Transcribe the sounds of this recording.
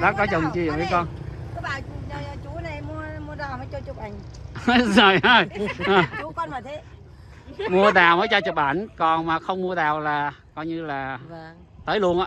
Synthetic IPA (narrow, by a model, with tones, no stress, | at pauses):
ɗa̰ː˨˦˥kɔ˨˦t͡ɕə˨˩nt͡ɕi˧˩ə˨˩və˨˦jkɔ˧nkaː˨˦k̚ɓaː˧˨˩ɲa˨˩˨t͡ɕu˨˦na˨˩jmu˧əmu˧əɗ̪aː˨˩wməː˨˦jt͡ɕɔ˧t͡ɕu˨˩k͡p̚ʔa˨˩ŋ̟zɔ˨˩jə˨˧˩jə˨˩˨kɔ˧nmaː˨˩t̪ʰe˨˦ | mu˧əɗaː˨˩wməː˨˦jt͡ɕɔ˧t͡ɕu˨˩p̚ʔaː˧˩nkɔ˨˩nmaː˨˩xə˧wŋ͡mmu˧əɗaː˨˩wlaː˨˩kɔ˨˧jɲɨ˧laː˨˩ | t̪əː˨˦jlu˧˩ənʔaː˧